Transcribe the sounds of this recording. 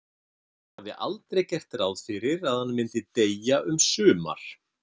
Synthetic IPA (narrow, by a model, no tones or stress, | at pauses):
avðɪ̰ʔalt̪ɾejcɛr̥t̪rawðfɪɾɪɾaðhanːmɪnt̪ɪt̪ejaʔʏmsʏːma̰ɾ̥